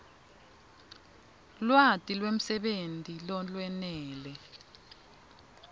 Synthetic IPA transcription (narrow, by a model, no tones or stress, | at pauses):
lwatʼilwem̩sɛɓentʼilɔlwɛnɛːlɛ